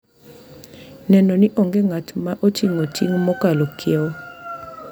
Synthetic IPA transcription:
nɛnɔnɪʔoŋɡeŋatmaʔotiŋotiŋmɔkalokʰɪɛɔ

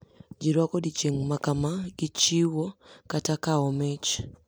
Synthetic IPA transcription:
ɟiɾwakodit͡ʃeŋmakamaɡit͡ʃiwokatakaomet͡ʃ

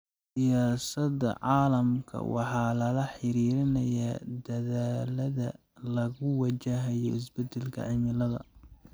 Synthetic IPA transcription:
sɪjaːsɐd̪ɐ̰ʕɑːlɐmkʰɐ̰wɑ̰ħɑːlɐlɐħɪɾiːɾɪnɐjad̪ɐðaːlɐðɐ | lɐɣʊwɑt͡ʃɐɦɐjɔ̰ɪs̬bɐd̪ɛlkʰɐ̰ʕɪmɪlɐðɐ̰

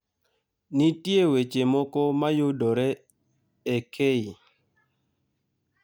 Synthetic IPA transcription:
nitjewet͡ʃemɔkɔmajʊdɔɾɛ | ekʰei

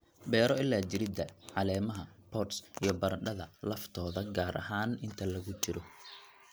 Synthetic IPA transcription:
bɛːɾɔɪlːaːt͡ʃɪɾɪd̪ɐʕɑlɛːmɐɦɐpʰɔsijɞbɐɾɐɖɐðɐlɐft̪ʰɔːðɐɡaːɾʔɐ̰ɦaːnɪnt̪ʰɐlɐɣʊt͡ʃɪɾɔ

